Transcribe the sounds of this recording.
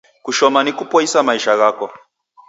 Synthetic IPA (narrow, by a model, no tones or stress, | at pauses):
kuʃɔmanikupɔisamaiʃaɣakɔ